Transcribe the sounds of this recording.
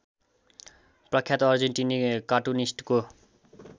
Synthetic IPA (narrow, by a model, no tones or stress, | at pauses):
prʌkʰjat̪ʌrd͡zeɳʈinikaʈunisʈko